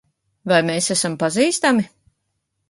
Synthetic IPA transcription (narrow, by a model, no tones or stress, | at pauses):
vajmeːsæsampaziːst̪ami